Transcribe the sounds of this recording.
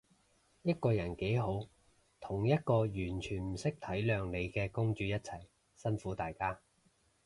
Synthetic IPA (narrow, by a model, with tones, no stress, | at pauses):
jɐ˥t̚kɔː˧jɐ˨˩nke˨˥jɦo˨˥w | t̪ʰʊ˨˩ŋjɐ˥t̚kɔː˧jyː˨˩nt͡ʃʰyː˨˩nm̩˨˩sɪ˥k̚t̪ʰɐ˨˥jlœː˨˧ŋle˨˧jkɛː˧kʊ˥ŋt͡ʃyː˧jɐ˥t̚t͡sʰɐ˨˩j | sɐ˥nfuː˨˥t̪aː˨jkaː˥